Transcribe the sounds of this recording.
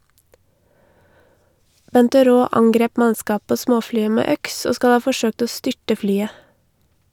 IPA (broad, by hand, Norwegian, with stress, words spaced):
ˈbɛntəˌɾoː ˈɑŋɡɾeːp ˈmɑskɑː ˈpoː ˈsmoːˌflyːə ˈmeː ˈœks ˈoː ˈskɑl ˈɑː fɔˈʃøːkt ˈoː ˈstʏʈə ˈflyːə